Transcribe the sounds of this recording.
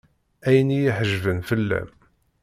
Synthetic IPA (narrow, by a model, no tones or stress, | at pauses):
æjənijiħəʒvənfəlːæ̰m